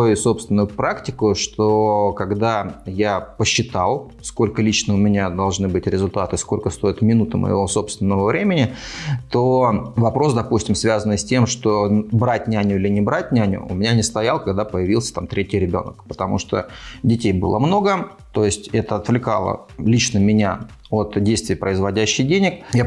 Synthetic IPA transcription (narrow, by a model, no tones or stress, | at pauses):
ɐjuso̞pst̪vʲɪnʊjʊpɾaktʲɪkʊʂt̪okɐɡd̪ajapəɕːɪt̪alˠ | sko̞lʲkəlʲit͡ɕnəʊmʲɪnʲad̪ɐlˠʐnɨbɨtʲɾʲɪzʊlʲt̪at̪ɨsko̞lʲkəst̪o̞ɪt̪mʲɪnut̪ɨmʔə̰jɪ̰vo̞so̞pst̪vʲɪnːəvəvɾʲʔemʲɪnʲɪt̪ovɐpɾo̞sd̪ɐpusʲtʲɪmsvʲazənːɨjsʲtʲe̞mʂt̪obɾatʲnʲanʲʊilʲɪnʲɪbɾat̚ʲnʲɪanʲʊ̰ʊ̰mʲɪnʲanʲɪst̪ɐjalˠkɐɡd̪apəjɪvʲilˠsʲə̥t̪amt̪ɾʲetʲɪjɾʲɪbʲo̞̰nəkpət̪ɐmṵʂt̪o̰dʲɪtʲejbɨ̰lˠə̰mno̞ɡə | t̪o̞jɪsʲtʲɛt̪əɐt̪vlʲɪkalˠə̰ | lʲit͡ɕnəmʲɪnʲa | o̞t̪dʲejst̪vʲɪjpɾəɪzvɐdʲæɕːɪjdʲenʲɪkja